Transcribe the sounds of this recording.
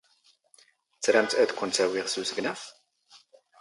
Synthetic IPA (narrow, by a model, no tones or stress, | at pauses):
t͡sːɾæmt̪æðkʷːʊnt̪æwiʁsusəɡnæf